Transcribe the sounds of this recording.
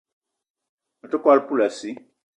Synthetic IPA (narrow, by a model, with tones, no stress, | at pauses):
a˨to˦ka˦lpu˦la˨si˦